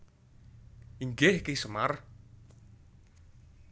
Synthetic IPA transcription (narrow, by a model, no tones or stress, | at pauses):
iŋɡehkesəmar